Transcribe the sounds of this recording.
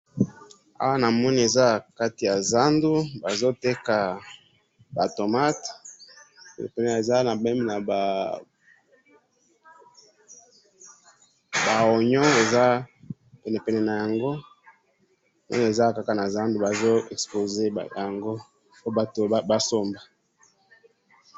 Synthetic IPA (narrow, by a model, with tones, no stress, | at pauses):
a̰˦wa˦na˨mɔ˦ni˦e˨za˦˨ka˦ti˨ja˨za˦ndu˦ba˨zo˦te˦ka˨ | ba˨to˨ma˦t | pɛ˨nɛ˨pɛ˨nɛ˨e˨za˦na˨bɛ˦mi˨na˨ba˨ | ba˨o˨ɲɔ˦e˨za˦ | pɛ˨nɛ˨pɛ˨nɛ˨na˨ja˨ŋɡo˦ | nɛ̰˦n˨e˨za˦˨ka˦ka˨na˨za˦ndu˦ba˨zo˦ɛ˨kspo˨ze˦˨ja˨ŋɡo˦ | o˦ba˦to˨˦ba˦so˦mba˨